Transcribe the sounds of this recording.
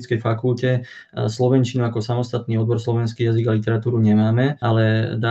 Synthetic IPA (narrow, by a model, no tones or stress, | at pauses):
t͡skɛjfakulcɛ | slɔʋɛnt͡ʃinuakɔsamɔst̪at̪niːɔd̪̚bɔɾslɔʋɛnskiːjaziɡalit̪ɛɾat̪uːɾuɲɛmaːmɛalɛd̪a